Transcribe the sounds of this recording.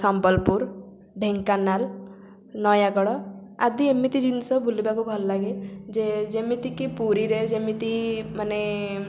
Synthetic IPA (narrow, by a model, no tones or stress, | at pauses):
sampɔlpuɾ | ɖʱeŋkanal | nɔjaɡɔɽɔa̰d̪iemit̪id͡ʒinsɔbulibakubʱɔllaɡed͡ʒed͡ʒemit̪ikipuɾiɾed͡ʒemit̪imane